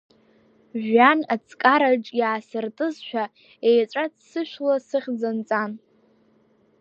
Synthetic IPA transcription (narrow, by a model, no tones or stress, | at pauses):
ʒᶣanat͡sʼkʼaɾaʈ͡ʂʼjaːsɨrtʼɨzʃᶣa | ejt͡ʃʷʼat͡ssɨʃᶣlasɨχʲd͡zant͡sʼan